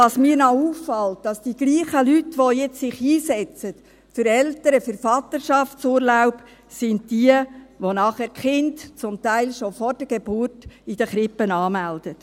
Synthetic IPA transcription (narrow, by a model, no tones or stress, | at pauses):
ɑsmiːɾnɑuːfːɑlt̚d̥ɑsd̥iɡ̥liːχəlytʋɔjɛt͡ssɪχiːsɛt͡sət | fʏɾɛltəɾəfʏɾfɑt̪əɾʃɑftt͡suːɾlaʊp | sɪndd̥iəʋonɑːχɛːɾkχɪntt͡sʊmtæɪlʃofɔɾd̥əɡ̥eb̥uːɾtid̥əχɾɪpːənɑːmæld̥ət